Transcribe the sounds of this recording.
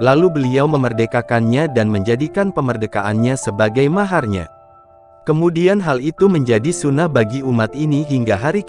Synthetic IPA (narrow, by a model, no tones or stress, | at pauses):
lalubəliawməmərdəkakanɲadanməɲd͡ʒadikanpəmərdəkaʔanɲasəbaɡajmaɦarɲa̰ | kəmudianɦalit̪uməɲd͡ʒadisunahbaɡiumat̪iniɦiŋɡaɦaɾik